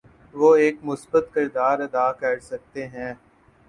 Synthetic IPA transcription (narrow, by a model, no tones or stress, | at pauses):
ʋoːeːkmʊsbət̪kɪɾd̪aːɾɐd̪aːkɐɾsɐk̚t̪eɦɛ̃ː